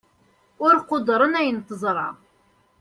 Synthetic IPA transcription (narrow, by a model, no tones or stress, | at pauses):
ʊɾqod̪ɾˤənæjənt̪əzˤɾˤɑ